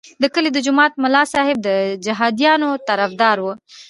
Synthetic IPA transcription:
d̪əkəled̪əd͡ʒʊmɑt̪mʊlɑsɑhɪb̚d̪əd͡ʒaɦɑd̪jɑnot̪aɾafd̪ɑɾwu

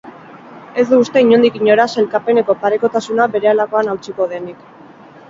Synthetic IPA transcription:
e̞zd̪uːst̪e̞iɲo̞nd̪ikiɲo̞ɾase̞lkape̞ne̞ko̞paɾe̞ko̞t̪asunabe̞ɾe̞alako̞anawt͡siko̞ðe̞nik

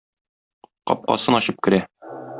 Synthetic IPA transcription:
qɒ̰p̚qɑ̰sɤnɒɕɤp̚kɘ̆ɾæ

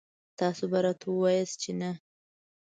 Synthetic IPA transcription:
t̪ɑsobaɾɑt̪ʰawəwɑjəst̪̚t͡ʃena

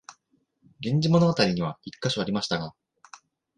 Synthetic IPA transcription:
ɡẽ̞ɲ̟d͡ʑimo̞no̞ɡat̪aɾʲiɲ̟iβ̞aikːaɕoaɾʲimaɕi̥t̪aɡa

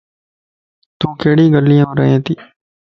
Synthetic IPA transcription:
t̪ũːkeːɽiːɡəlːijãːɾə̰ɦẽːt̪iː

